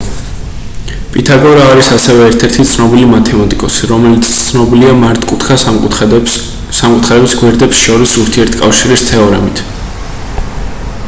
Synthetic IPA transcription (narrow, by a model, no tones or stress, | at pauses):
pʼit̪ʰaɡɔɾaːɾisasɛvɛːɾt̪ʰɛɾt̪ʰit̪sʰnɔbilimat̪ʰɛmat̪ʼikʼɔsiɾɔmɛlit̪st̪sʰnɔbiliamaɾt̪ʼkʼut̪ʰkʰa | samkʼut̪ʰχaɾɛbisɡwɛɾd̪ɛpsʃɔɾisuɾt̪ʰiɛɾt̪ʰkʼafʃiɾist̪ʰɛɔɾɛmit̪ʰ